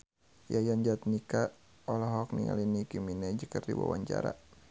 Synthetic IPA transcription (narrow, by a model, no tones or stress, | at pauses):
jajaɲd͡ʒat̪̚nika | ɔlɔɦɔk̚niŋa̰linikiminɛd͡ʒəkərdiwa̰waɲt͡ʃa̰ɾa